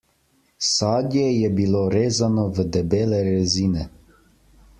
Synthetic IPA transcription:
saːd̪jɛjɛbiloɾeːzanɔvəd̪ɛbeːlɛɾɛziːnɛ

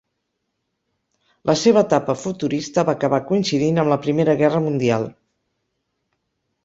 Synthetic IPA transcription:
lʔəseβ̞əːt̪apəfut̪uɾist̪əβakəβakuinsiðinəmləpɾimeɾəɣɛrəmund̪ialˠ

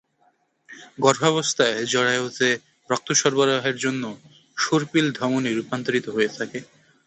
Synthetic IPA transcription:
ɡɔɾbʱɔɔβost̪ʰaed͡ʑɔɽaeot̪e | pɾɔk̚t̪oʃɔɾbaɾaɦeɾd͡ʑonːo | ʃoɾpild̪ʱɾɔmoniɾupant̪oɾit̪oɦoet̪ʰake

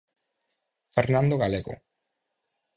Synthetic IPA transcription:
feɾnãnd̪oɣaleɣo̰

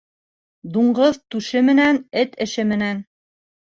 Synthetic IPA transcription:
d̪uɴɢɤðt̪ʉʃɘmɘ̆nænɘt̪ɘ̆ʃɘmɘ̆næn

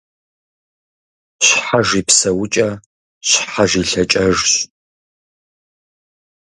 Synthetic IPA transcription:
ɕħaʐiːpsɐwʊt͡ʃʼɐ | ɕħaʒiːɬɐt͡ʃʼɐʐɕ

